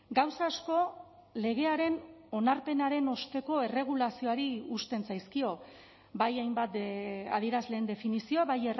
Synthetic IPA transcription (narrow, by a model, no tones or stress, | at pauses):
ɡawsaːsko̞ | le̞ɣ̞e̞aɾe̞no̞naɾpe̞naɾe̞no̞st̪e̞ko̞e̞re̞ɣ̞ulasio̞aɾiust̪e̞nsajskio̞ | bajajmbat̪̚a̰ðie̞ɾazle̞ːnd̪e̞finisio̞aβajer